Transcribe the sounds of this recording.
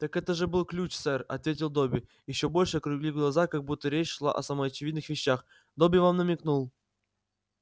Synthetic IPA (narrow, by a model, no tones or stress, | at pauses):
t̪akɛt̪əʐɨbɨlˠklʲut͡ɕsɛrɐ̰t̪vʲetʲɪlˠd̪obʲɪ | jɪɕːobolʲʂɨkɾʊɡlʲivɡlˠazakaɡ̚but̪ːəɾʲet͡ɕʂlˠa̰ʔɐsaməɐt͡ɕɪvʲid̪nɨxvʲɪɕːax | d̪obʲɪvamnəmʲɪknulˠ